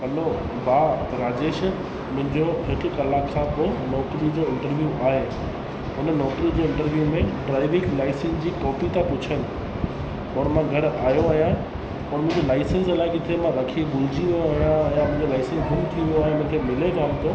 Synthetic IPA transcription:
ɐlo | bʱaːɾaːd͡ʑeːʃ | mʊ̃ɦɪ̃ɲd͡ʑoɦɪkkɐlaːksaːbkonɔːkɾid͡ʑoːɪ̃ɳʈəɾʋjuʔaːɦeː | ɦʊnnɔːkɾid͡ʑeɪ̃ɳʈəɾʋijumẽɖɾaːɪʋɪ̃ɡlaːɪsə̃nsd͡ʑiːkɔːpit̪ʰãpʊt͡ɕʰənɪ̆ | ɔːɽmãɡʱɐɾaːjoaːɦjã | pɔːnmʊ̃ɦɪ̃ɲd͡ʑolaːɪsənsɐlaːɪket̪ʰiemãɾɐkʰibʊld͡ʑiʋijoaːɦjãjamʊ̃ɪ̃ɲd͡ʑolaːɪsənsɡʱʊmt̪ʰiʋijoaːɦemʊ̃ɦkʰemɪleɡaːmt̪ʰo

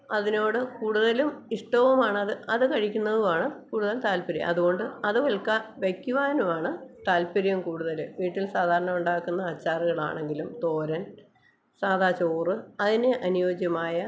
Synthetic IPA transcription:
ɐðino̞ːɽɨkuːɽuðɐlumiʂʈoʋɐmaːɳɐðɨɐðɨkɐɻikʲːunːɐðuʋaːɳɨkuːɽuðɐlt̪aːlpɐɾijɐ̰ɐ̰ðuɣo̞ɳɖɨɐðɨʋɐɭkːɐʋekːjuʋaːnumaːɳɨt̪aːlpɐɾijɐmkuːɽuðɐlɨʋiːʈːilsaːd̪ʱaːɾɐɳɐmuɳɖaːkːunːɐɐt͡ɕːaːriɣɐɭa̰ːɳe̞ŋɡilumt̪o̞ːɾɐn | saːd̪ʱaːt͡ɕoːrɨɐðineʔɐnujo̞ːd͡ʑjɐmaːjɐ

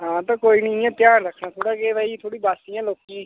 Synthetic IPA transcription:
ɦãːt̪ãːkoːiːnɪjãːt̪ɪjaːnɾəkʰnaːt̪ʰoːɽaːkeːbaːiːt̪ʰoːɽiːbaːsijãːloːkẽ

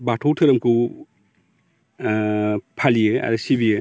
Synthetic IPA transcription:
batʰɔwtʰɯɾɐmkʰuw | pʰalijɯa̰ɾɯsibijɯ

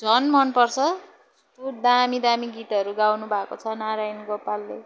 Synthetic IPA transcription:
d͡zʱʌnmʌnpʌrt͡sʰʌ | st̪ud̪amid̪amiɡit̪ʌɾuɡawnubʱakot͡sʰʌnaɾajnɡopalːe

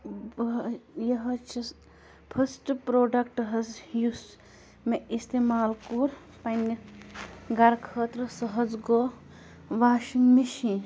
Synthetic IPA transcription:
jɐɦɐt͡ʃʰi | pʰɐsʈpɾoːɖɐkʈɦɐzjus | meist̪eːmaːlkuɾ | pɐnːi | ɡɐɾkʰəːt̪ɾəsɐɦɐd͡zɡo | ʋaːʃinmiʃĩ

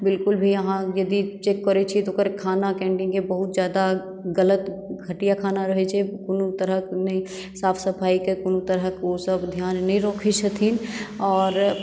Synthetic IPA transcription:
bɪlkʊlbʱijɐɦãjɐd̪it͡ʃeːkːəɾet͡ʃʰit̪okəɾkʰaːnakɛ̃ːɳʈɪ̃ŋɡkebɐɦʊt̪zjaːd̪a | ɡɐlət̪ɡʱɐʈijakʰaːnaɾəɦet͡ʃʰekʊnut̪əɾəknẽ | saːfʰsəpʰaːikekʊnut̪əɾəkosəbd̪ʱjaːnːɐɦĩɾoːkʰet͡ʃət̪ʰinɔːɾ

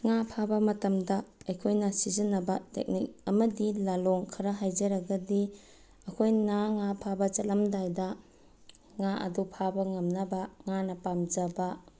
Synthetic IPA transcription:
ŋapʰabɐmɐtɐmdɐɐjkʰojnɐsizɐnːɐbɐtḛk̚nik̚ɐmɐdilaloŋkʰɐɾaɦajd͡ʒɐɾɐɡɐdi | ɐkʰojnaŋapʰabɐt͡ʃɐtlamdajdɐ | ŋaʔɐ̰dupʰabɐŋɐmnɐbaŋanɐpamd͡ʒɐba

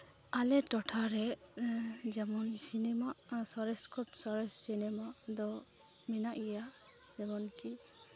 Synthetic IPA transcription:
alɛʈɔʈʰaɾɛ | d͡ʒɛmɔnsinɛmaʔsɔɾɛskɔt̪sɔɾɛssinɛmaʔd̪ɔ | minaʔija | d͡ʒɛmɔnki

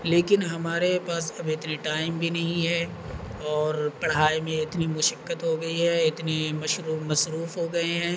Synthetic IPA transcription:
leːkɪnɦɐmaːɾepaːsɐbɪt̪neʈaːɪmbʱinɐɦĩɦɛː | ɔːɾpɐɽɦaːimẽɪt̪nimʊʃəkːət̪ɦoɡɐiɦɛɪt̪nemɐʃɾuːmɐsɾuːfɦoɡɐeɦɛ̃ː

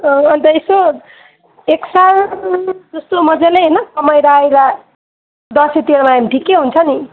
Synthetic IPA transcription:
ʌʌnt̪ʌeso | eksar | d͡zʌst̪omʌd͡zaleɦenʌsʌmʌjɾajɾa | d̪ʌsit̪eɽmaamiʈikːeɦunt͡sʰʌni

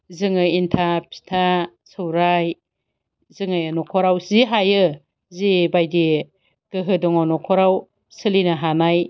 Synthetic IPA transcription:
zɯŋɯintʰapʰi̥tʰa | sɯwɾaj | zɯŋajanɔkʰɔɾawziɦajɯ | zibajdi | ɡ̥ɯɦɯdɔŋɔnɔkʰɔɾaw | sɯlinaɦanaj

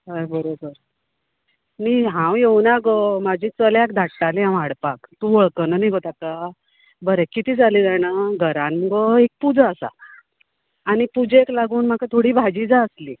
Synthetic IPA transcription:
ɦəjbəɾobəɾ | niɦãwjewnaɡɔmad͡ʑʱiːt͡səljakd̪ʱaʈːaliãw̃aɽpakt̪ũʋəɭkənəniɡʱot̪akːa | bəɾɛkit̪ʰiːd͡zʱaliːd͡zanaɡʱəɾanməɡɔek̚pud͡zaəsa̰ | aɽ̃ipud͡zeklaɡuːnm̤akat̪ʰoɽiːbʱad͡ʑid͡zaəsli

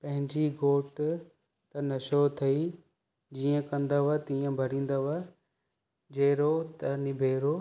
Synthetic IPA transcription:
pɐ̃ɦɪ̃ɲd͡ʑiɡoːʈ | t̪ɐnɐʃot̪ʰɐi | d͡ʑiːə̃kɐ̃nd̪aʋɐt̪iːə̃bʱɐɾĩːn̆d̪aʋɐ | d͡ʑeːɾot̪ɐnɪbʱeːɾo

